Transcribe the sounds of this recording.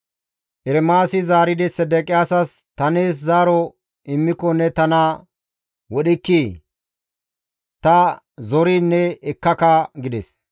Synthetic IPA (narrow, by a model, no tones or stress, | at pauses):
ʔɛɾɛmaːsɪzaːɾɪd̪ɛsɛd̪ɛkʼɪjaːsɐs | t̪ɐneːs̬zaːɾɔ | ɪmːɪkɔnːɛt̪ɐnɐ | wɔɗɪkːiː | t̪ɐ | zɔɾiːnːɛɛkːɐkɐɡɪd̪ɛs